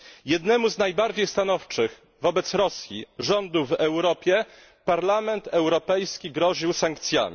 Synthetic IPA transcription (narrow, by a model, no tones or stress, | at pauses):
jɛd̪nɛmuznajbaɾd͡ʑejst̪anɔft͡ʂɘx | vɔbɛt̪sɾɔsʲjḭʐɔnd̪uvɛwɾɔpʲjɛ | paɾlamɛnt̪ɛwɾɔpɛjskʲiɡɾɔʑiwsaŋkt̪sʲja̰mʲ